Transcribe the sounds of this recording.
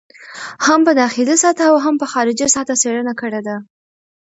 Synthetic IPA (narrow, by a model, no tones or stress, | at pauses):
hampəd̪ɑxɪlisɑt̪aawɦampəxɑɾɪd͡ʒisɑt̪aseɽənakəɽed̪a